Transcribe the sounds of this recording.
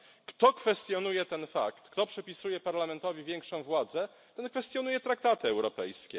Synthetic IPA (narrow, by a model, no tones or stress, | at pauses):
kt̪ɔkfɛst̪jɔnujɛt̪ɛnfa̰kt̪kt̪ɔpʂɘpʲisujɛpaɾlamɛnt̪ɔvʲivʲjɛŋkʂɔ̃w̃vwad̪zɛ | t̪ɛnkfɛst̪ʲjɔnujɛt̪ɾak̚t̪at̪ɘɛwɾɔpɛ̰jskʲɛ